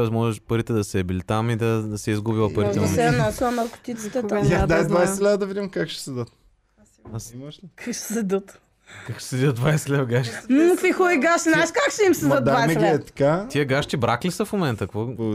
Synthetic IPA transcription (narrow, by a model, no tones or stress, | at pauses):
ɔɛsmɔʒɛʃpɐɾit̪ɛd̪ɐsɛɛbilit̪amid̪ɐsɛizɡubilˠɐpɐɾit̪ɛomɛnasɐmɐɾkʊ̥t̪it̪si̥t̪ɛad̪ajd̪vajsɛxlʲad̪əd̪ɐvid̪ʲimkakʃɛ̥sɛd̪ət̪̚ | asimɐʃlikakʃɛ̥sɛd̪ət̪ | kakʃɛ̥sɛd̪ət̪̚d̪vajsɛxlʲadəɡaʃt̪i̥nkfixɔiɡaʃt̪znaɛʃkakʃɛimsɛd̪ət̪d̪avaɛɡɛɛt̪ɐ̥kat̪iəɡaʃt̪ibɾaklisəfmomɛnt̪əkvo